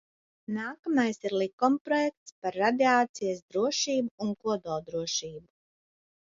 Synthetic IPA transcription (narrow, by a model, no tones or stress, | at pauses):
naːkamajsiɾlˠikɔmpɾɔjɛk̚t̪spaɾːad̪iaːt̪sijasd̪ɾuɔʃiːbuːŋkuɔd̪ɔːd̪ɾuɔʃiːbu